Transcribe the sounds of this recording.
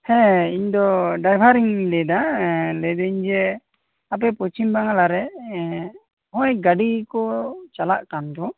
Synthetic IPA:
hɛ̃iɲd̪ɔɖajbʱaɾiŋlɛd̪alɛd̪ɛɲd͡ʒɛ | ap̬ɛpɔt͡ʃimbaŋalaɾɛ | ɦɔ̃ɛɡaɖikɔt͡ʃala̰ʔkand̪ɔ

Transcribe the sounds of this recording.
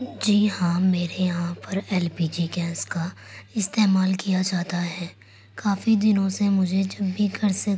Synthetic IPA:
d͡ʒiːɦãmeːɾejɐɦãpɐɾɛːlpiːd͡ʒiːkɛ̃ːskaɪst̪eːmaːlkijad͡ʒaːt̪aɦɛː | kʰaːfid̪ɪnõsemʊd͡ʒʱed͡ʒɐbʱːikɐɾse

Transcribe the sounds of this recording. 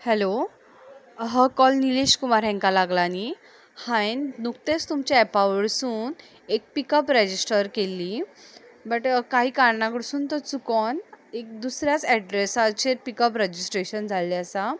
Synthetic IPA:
hɛlo | ɦəkɔlnileɕkumaɾɦɛ̃ŋkalaɡlani | hãennukt̪est̪umt͡ɕaɛpaʋəɽsuːn | ek̚pikəpɾɛd͡ʑisʈəɾkelːi | bəʈkaɦiːkaɾnãkɽsuːnt̪ət͡sukɔnek̚d̪usɾjat͡sɛɖɾesat͡ɕeɾpikəpɾəd͡ʑisʈɾeɕənd͡zʱalːiəsa

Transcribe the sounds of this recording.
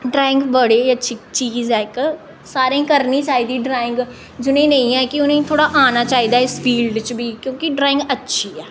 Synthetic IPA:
ɖɾaːɪŋɡbəɽeːətːʃʰiːt͡ʃiːzɛːk | saːɾẽːkəɾniːt͡ʃaːiːd̪iːɖɾaːɪ̃ŋɡ | d͡ʒʊnẽːnəĩːɛːkɪʊnẽːt̪ʰoːɽaːʔaːnaːt͡ʃaːiːd̪aːɪsfʰiːlɖt͡ʃbʱiːkjõːkɪɖɾaːɪ̃ŋɡətːʃʰiːɛː

